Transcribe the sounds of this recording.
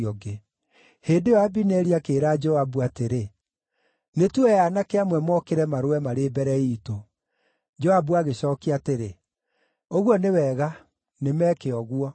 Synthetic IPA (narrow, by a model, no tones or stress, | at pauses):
ɔɡe | heːndeɔabinɛɾiakeːɾaːd͡ʒɔabuateɾe | netuɛjanakeamwɛmɔkeɾɛmaɾoɛmaɾeːbɛɾɛiːto | d͡ʒɔabuaɣeɕɔːkiateɾe | oɣwɔnewɛːɣa | nemɛːkeɔɣwɔ